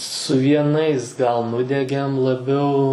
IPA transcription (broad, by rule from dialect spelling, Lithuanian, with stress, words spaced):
sʊ ʋʲiɛˈnɐɪs ɡɐlˠ ˈnʊdʲɛɡʲeːm lˠɐˈbʲɛʊ